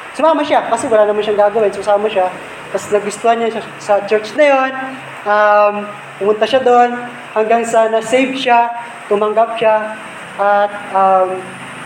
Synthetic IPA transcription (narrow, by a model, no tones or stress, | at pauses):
sʊmaːmɐʃakɐsɛwɐlaːnɐmanʃaŋɡaːɡɐwɪnsʊsaːmɐʃa | bɐsnɐɡʊst̪ohanaʃa | sɐt͡ʃɛɹt͡ʃnɐjon | ʔam | pʊmʊnt̪aʃad̪o̞n | hɐŋɡaŋsɐnɐsejvʃa | t̪ʊmɐŋɡap̚ʃa | ʔɐt̪̚ʔɐm